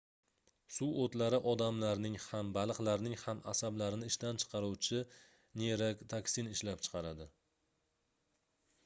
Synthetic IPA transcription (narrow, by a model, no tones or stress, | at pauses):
suot̪laɾɪʔɒd̪amlaɾnɪŋhambalˠɨqlaɾnɪŋhama̰sablaɾɪnɪɪʃt̪ant͡ʃʰɨ̥qʰɑɾuwt͡ʃʰɪ | neɾakʲt̪ʰakʲsinɪʃlap̚t͡ʃʰɨ̥qʰɑɾad̪ɪ